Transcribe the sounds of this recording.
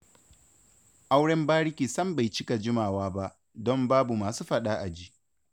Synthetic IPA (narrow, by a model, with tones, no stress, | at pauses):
ʔa˦wɽɛ˦mbaː˦ɽɪ˦kʲiː˨sɐ˦mba˨jt͡ʃɪ˦ka˨d͡ʒɪ˦maː˨waː˦ba˦ʔ | dɔ˦mbaː˦bu˨maː˨suː˦ɸɐ˦ɗaː˦ʔa˨d͡ʒiː˦